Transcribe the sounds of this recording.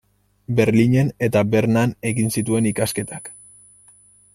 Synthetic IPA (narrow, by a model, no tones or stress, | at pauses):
be̞ɾliɲe̞ne̞t̪abe̞ɾnane̞ɣinsit̪ue̞nikaske̞t̪ak